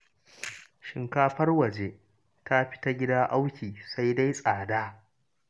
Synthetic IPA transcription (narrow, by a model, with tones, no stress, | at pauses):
ʃɪ˨ŋkaː˦ɸɐ˦rwɐ˨d͡ʒe˦ | ta˦ɸɪ̥˦ta˦ɡʲɪ˦daː˦ʔa˦wkʲiː˨sa˦jda˦jsʼaː˨daː˦